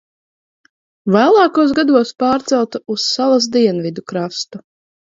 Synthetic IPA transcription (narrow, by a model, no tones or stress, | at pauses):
vaːlˠɑːkuɔs̬ɡad̪uɔspaːɾt̪sɛlˠt̪ausːalˠasd̪iɛnvid̪ukɾast̪u